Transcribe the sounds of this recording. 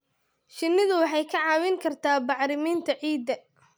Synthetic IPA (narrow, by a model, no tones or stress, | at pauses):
ʃɪnːɪðʊwɑħɑjkʰɐʕɑːwɪŋkʰɐrt̪ʰaːbɑħɾɪmiːnt̪ʰɐʕiːd̪ːɐ